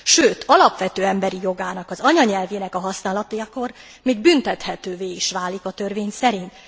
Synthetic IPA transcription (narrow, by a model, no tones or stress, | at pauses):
ʃøːt̪ʰɒlɒpʋɛt̪øːɛmbɛɾijo̞ɡaːnɒkɒzɒɲɒɲɛlveːnɛkɒɦɒsnaːlɒt̪ojɒko̞r | miːɡ̚bynt̪ɛt̪hɛt̪øːveːiʃʋaːlikɒt̪ø̞rveːɲsɛɾint̪